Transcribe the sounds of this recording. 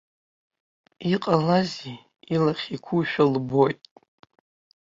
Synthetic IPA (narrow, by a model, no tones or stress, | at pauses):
iqʼalazi | ilaχʲikʷʰuʃᶣalbo̞jtʼ